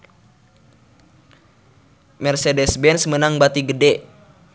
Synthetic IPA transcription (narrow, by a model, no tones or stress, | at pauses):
mɛrsɛdɛsbɛnsmənaŋbat̪iɡədɛ